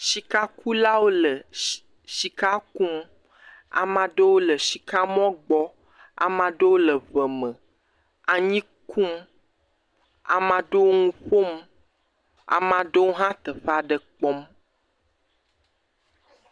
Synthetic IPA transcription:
ʃi˨ka˦ku˦la˦wo˦lə˨ | ʃi˨ka˦kũ˦m | a̰˨mã˨ɖə˦wo˦lə˨ʃi˨ka˦mɔ̃˦ɡ͡bɔ˦ | a̰˨mã˨ɖə˦wo˦lə˨və˨mə̃˨ | a˨ɲĩ˦ | kʰũ˦m | a̰˨mã˨ɖə˦wo˦ŋũ˦ɸo˦m | a̰˨mã˨ɖe˦wo˦ɦã˦t̪ə˨ɸa˦ɖə˨k͡pɔ˦m

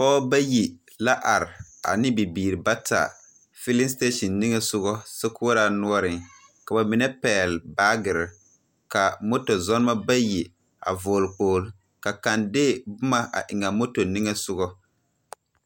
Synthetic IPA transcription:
pɔː˦ba˦ji˨ | la˦ʔa˨ɾɪ˨a̰˨nɪ˦bi˨biː˨ɾi˨ba˦ta̰˨ | fɪ˦li˦nste˦ʃɔ˨nːi˦ŋɛ˦sʊ˦ɣɔ˦sɛ˦kʊ˦ɾaː˨nʊ˦ɔ˦ɾɪ˨ŋ | ka˨ba˨mɪ˨nɛ˦pɛː˨lbaː˦ɡɪ˨ɾɪ˨ | ka˨mo˦to˨zɔ˦n˦ma˦ba˦ji˨ | a̰˨vʊː˨lk͡poː˨l | ka˨ka˨ndɪː˦bʊ˦ma˦ʔa̰˨ʔɪ˨ŋa˨mo˦to˨ni˦ŋɛ˦sʊ˦ɣɔ˦

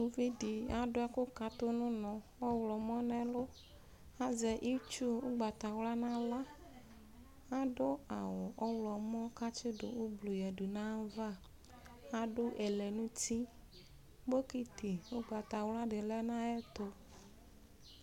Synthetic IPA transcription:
nũ˨vi˦ɖi˨a˦ɖʊ˦a˦kʊ˦ka˨t̪ʊ˦nũ˦nɔ̃˨wɔ˦wlɔ˨mɔ̃˦nɛ̃˦lʊ˦ | a˦zɛ˨ʔi˦t͡ʃu˦wo˦ɡ͡ba˨t̪a˨wla˦nã˦la˦ | a˦ɖʊ˦a˨wɔ˨ʔɔ˦wlɔ˨mɔ̃˦ka˦t͡ʃɪ˦ɖʊ̰˨o˦blu˨jɛ˨ɖu˨nã˦va˦˨ | a˦ɖʊ˦ʔɛ˨lɛ˨nũ˦t̪i˦ | bo˦ki˦t̪i˨wo˦ɡ͡ba˨t̪a˨wla˦ɖɪ˨lɛ˦nã˦ɛ˦t̪o˦

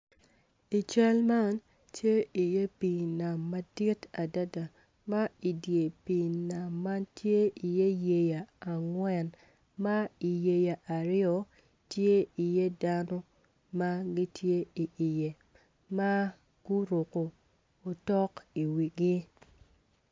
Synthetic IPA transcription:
i˨t͡ʃa˦lma˦n | tje˦i˨je˦pi˨na˨mːa˦di˦ta˨da˦da˨ | ma˦i˨dje˨pi˨na˨mːa˦ntje˦i˨je˦je˨ja˨a˨ŋwɛ˨n | ma˦i˨je˨ja˨ʔa˨ɾɪɔ˦ | tje˦i˨je˦da˦nɔ˦ | ma˦ɡi˦tje˦i˨ʔi˨je˨ | ma˦ | ɡ̥u˦ɾo˨ko˨ | o˨tɔ˦ki˨wi˨ɡɪ˦

